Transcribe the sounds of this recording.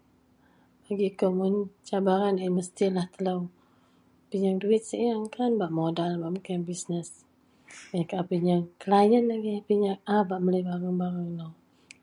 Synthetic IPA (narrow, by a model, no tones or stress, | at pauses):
b̥aɡikomʊnt͡ʃabaɾanaiməst̪ilaht̪ələw | piɲaŋduɪt̪̚səjaŋkanbaʔmodalbaʔmukiŋbisnəs | əɲakapiɲaŋkəlajənaɡipiɲaŋabaʔmələjbaɾaŋbaɾaŋləw